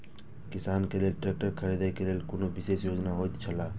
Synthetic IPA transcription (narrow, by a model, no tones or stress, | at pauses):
kisankelelʈɾek̚ʈəɾkʰəɾid̪ajkelelkonobisesjod͡ʒnaɦojt̪t͡ʃʰəla